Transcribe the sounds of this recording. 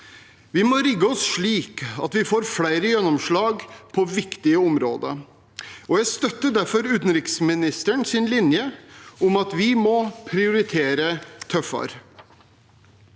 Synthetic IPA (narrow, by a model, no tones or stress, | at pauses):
ʋɪmɔɾɪɡːəɔsʂɭiːkɑ̰t̪ʋɪfoːɾfɽæɪɾəjɛnːɔmʂɭɑːɡpʰɔʋɪkt̪ɪəʊmɾo̰ːd̪ə̰ | ɔjæɪst̪œt̪ːəɖæɾfɔɾʉːt̪n̩ɾɪksmɪnɪst̪əɳsɪnlɪnjəʊmɑt̪ʋɪmɔpʰɾɪʊɾɪt̪ʰeːɾət̪ʰœfɑ̰ɾ